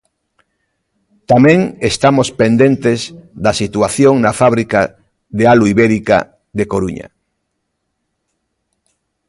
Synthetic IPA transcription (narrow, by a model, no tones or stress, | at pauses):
t̪amẽŋest̪amospend̪ẽnt̪ezðasit̪uaθjoŋnafaβ̞ɾika | ðealuiβeɾika̰ | ðekoɾuɲa̰